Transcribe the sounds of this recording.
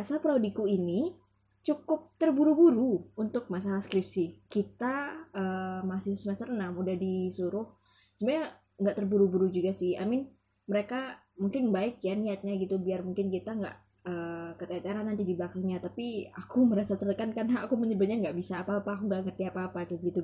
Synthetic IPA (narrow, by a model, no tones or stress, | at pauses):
asapɾaodikuini | t͡ʃukʊp̚t̪ərbuɾubuɾuːnt̪ʊk̚masalahskɾɪpsɪhkit̪aəːmasɪsəmasərnamudahdisuɾʊh | səmuɲa | ŋɡaʔt̪ərbuɾubuɾud͡ʒuɡasɪha̰mɪn | məɾeka | muŋkɪnbaɪkjaniat̪̚ɲaɡit̪ubiarmuŋkɪnkit̪aŋɡa̰ʔ | əkət̪at̪eɾanːant̪idibakaŋɲat̪apiakuməɾasat̪ərt̪əkankanaːkuməɲəbʊt̪̚ɲaŋɡaʔbisaːpaːpaːkuŋɡaʔkərt̪iapaːpakaɡit̪u